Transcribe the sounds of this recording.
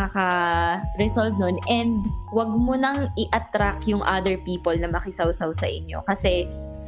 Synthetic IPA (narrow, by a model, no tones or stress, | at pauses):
akɐɾɛsolvnonʔɛnd̪wɐɡ̚monɐŋʔɪʔɐt̪ɾakjʊŋʔa̰d̪ɛɹpiːpolnɐmɐkɪsawsɐwsɐʔɪɲjo̞̰kɐsɛ